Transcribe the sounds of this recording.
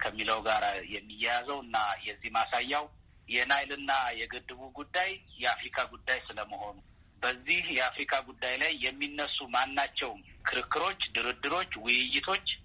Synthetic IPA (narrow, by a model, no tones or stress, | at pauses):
kʰəmːiləwɡaɾajɛmːijːɛjazəwɨnːajɛzːihmasajːaw | jɛnajlɨnːajɛɡɨd̪ːɨβuɡud̪ːajjɛafɾikʰaɡud̪ːajsɨləməho̞nu | bəzːihjɛafɾikʰaɡud̪ːajlajːɛmːinːəsːumanːat͡ʃːɛwmkʰɨɾɨkːɨɾo̞t͡ʃːd̪ɨɾɨd̪ːɨɾo̞t͡ʃːwʊjɪjːɪt̪ʰo̞t͡ʃː